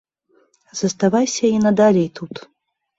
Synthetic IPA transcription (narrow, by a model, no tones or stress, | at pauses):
z̥ɐst̪avajsʲɐinɐd̪alʲɛjt̪ʰut̪